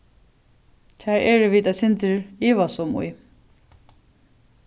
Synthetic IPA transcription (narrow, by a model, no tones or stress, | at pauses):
t̪ʰɛːɹɛɹʋiːt̪asɪnt̪ɪɹiːʋasʊmṵj